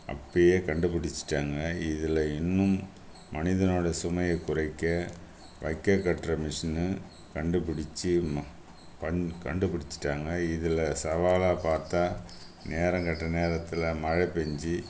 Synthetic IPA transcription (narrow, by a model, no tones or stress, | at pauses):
ɐ̰pːɐjeːkɐɳɖɯpɪɽɪt͡ʃːɪ̥ʈːaːŋɡɐɪðɪlɐɪnːɯmː | ɐnɪðɐnoːɽɐsʊmɐjɐkʊɾɐɪkːɐ | ʋɐɪkːɐkːɐʈrɐmɪʂɐnɯ | kɐɳɖɯpɪɽɪt͡ʃːɯ | pɐkɐɳɖɯpɪɽɪt͡ʃːɪ̥ʈːaːŋɡɐɪðɪlɐsɐʋaːlaːpaːɾt̪aː | neːɾɐ̃ŋɡɐʈːrɐneːɾɐt̪ːɪlɐmɐɻɐpɛɲd͡ʒi